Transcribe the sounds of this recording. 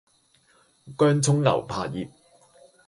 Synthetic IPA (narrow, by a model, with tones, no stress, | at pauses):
kœː˥ŋt͡sʰʊ˥ŋŋɐ̰˨˩wpʰaː˧t̚jiː˨p̚